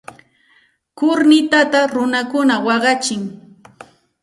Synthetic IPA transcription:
kʊɾnɪt̪at̪aɾʊnakʊnawɑɢɑt͡ʃɪŋ

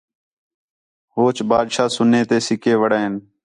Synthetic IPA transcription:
hoːt͡ʃbaːd̪ʃaːsʊneːt̪eːsɪkeːʋəɽeːɦɪn

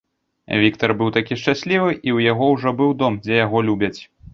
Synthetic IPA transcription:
vʲikt̪ɐrbɨwt̪akʲiʂt͡ʂasʲlʲivɨʔiwjaɣɔwʐɔbɨwd̪ɔmd͡zʲɛjaɣɔlʲubʲɐt͡sʲ

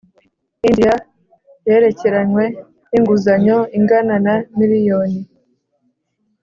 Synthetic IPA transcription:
indja | je̞ːɾe̞ce̞ɾaɲwe̞ | niŋɡuzaɲo̞iŋɡananamiɾijo̞ni

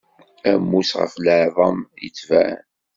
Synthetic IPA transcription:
æmːusʁə̰fləʕðˤɑmjət͡sːvæ̰n

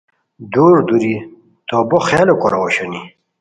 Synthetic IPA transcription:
d̪uːɾd̪uɾi | t̪oːboχaːlokoɾawoɕoni

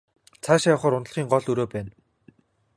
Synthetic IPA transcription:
t͡sʰaːʃajɔwχɔːɾʊnt̪ə̆ɮ̆χiːŋɢɔɮɵɾoːpæːn

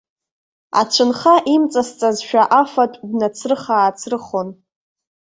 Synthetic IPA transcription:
a̰t͡ʃʷʰɨnχaʔimt͡sʼast͡sʼazʃᶣaʔafatʷʼdnat͡sʰrɨχaːt͡sʰrɨχon

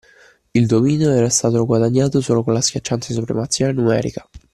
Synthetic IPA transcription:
ild̪omiːnoɛːɾast̪aːt̪ooɡwad̪aɲːaːt̪osoːlokonlaskʲjat͡ʃːant̪as̬upɾḛmat̪sːjanenumɛ̰ːɾḭkḁ

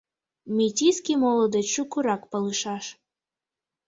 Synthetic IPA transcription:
mʲitʲiskʲimɔlˠɔd̪ɛt͡ɕukuɾɑkpɐlˠɨʃɑʃ

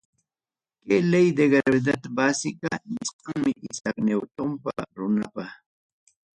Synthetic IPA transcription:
kelejd̪eɡeɾabɪd̪at̪abasɪkanɪsqaŋmɪʔɪsaknewt̪ʊmpa̰ɾʊnapaχ

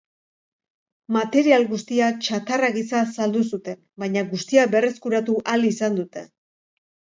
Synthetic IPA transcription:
mat̪e̞ɾialɣust̪iat͡ʃat̪araɣisasald̪usut̪e̞n | bajɲaɣust̪iabe̞re̞skuɾat̪uʔalisand̪ut̪e̞̰

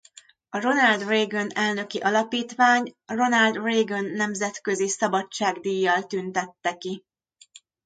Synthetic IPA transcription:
ɒro̞nɒld̪reːɡonɛlnø̞kiʔɒlɒpiːt̪ʋaːɲro̞nɒld̪reːɡonːɛmzɛt̪køzisɒbɒt͡ʃːaːɡd̪ijːɒlt̪ynt̪ɛt̪ːɛki

